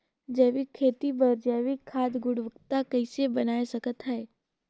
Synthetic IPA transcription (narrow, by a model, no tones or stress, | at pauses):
d͡ʒɛːʋikʰːeːt̪ibəɾd͡ʒɛːʋikʰːaːd̪ɡʊɽʋəkt̪akəɪsebənaːesəkət̪ɦɛe